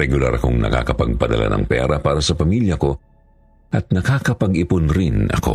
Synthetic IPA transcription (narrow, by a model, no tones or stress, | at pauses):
ɛɡʊla̰ɾɐko̞ŋnɐ̰ka̰kɐpɐɡ̚pɐd̪ɐ̰lʔa̰nɐ̰ŋpɛ̰ɾɐpaːɾɐsɐpɐmiljɐko̞ | ʔɐt̪̚nɐkaːkɐpɐɡʔɪpʊnɾɪnɐ̰ko̞̰